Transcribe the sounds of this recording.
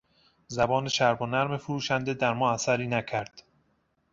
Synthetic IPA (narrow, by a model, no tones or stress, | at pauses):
zæbɒːneʃæɾbonæɾme̞foɾuːʃænd̪e̞d̪æɾmɒːæsæɾiːnæcʰæɾd̪̥